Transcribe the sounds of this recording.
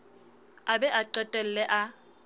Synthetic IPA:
abɛʔaǃɛtʼɛl̩lɛʔa

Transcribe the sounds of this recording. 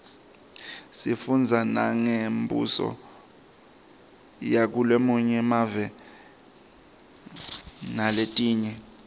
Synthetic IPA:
sifund͡zʱana̰ŋembʱṵsɔ̰ | jak̬ulemuɲɛmavɛ | naletʼiːɲɛ

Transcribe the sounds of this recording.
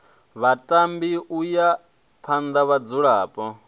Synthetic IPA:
βatʼambiʔuja | pʰand̪aβad͡zuɺaːpʼɔ

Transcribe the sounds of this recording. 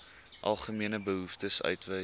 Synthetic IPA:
ʔɐ̰lˠχəmiənəbəɦuftəsœ̰ɥtvə

